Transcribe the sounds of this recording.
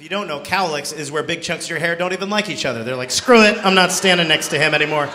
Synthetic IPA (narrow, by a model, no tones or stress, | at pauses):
fjɨdõʊ̃nːoʊkʰaʊlˠɪksɪzwə˞bɪɡ̚t͡ʃʰʌ̃ŋksjə˞ɦɛɹdõʊ̃ntivə̃nlˠaɪkit͡ʃʌðə˞ðə˞laɪkskɹʉɪt̚ãɪ̃mnətstæ̃ndɪ̃ŋnɛkstʰɨɪ̃mɛnimɔɹ